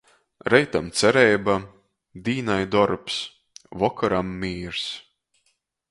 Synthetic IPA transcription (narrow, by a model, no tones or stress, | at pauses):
ɾɛjt̪amt̪sʲɛɾɛjba | d̪iːnajd̪ɔɾps | vɔkaɾamːiːɾs